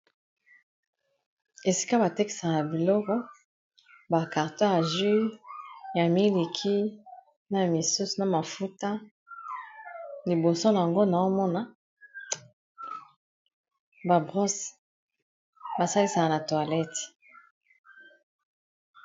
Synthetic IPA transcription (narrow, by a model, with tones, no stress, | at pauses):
e˨si̥˦ka˦ba˨te˦ki̥˨sa˨ka˨na˨bi˨lɔ˦kɔ˦ | ba˨ka˨ʁta˦a˨ʒwi˦ | ja˨mi˦le˨kʰi˦ | na˨mi˨su˦su˨na˨ma˨fu˦ta˦ | li˨bo˨so˦na˨a˨ŋɡo˦na˨o˦mɔ˦na˦ | ba˨bʁɔ˦s | ba˨sa˦li˦sa˨ka˨na˨twa˨lɛ˦t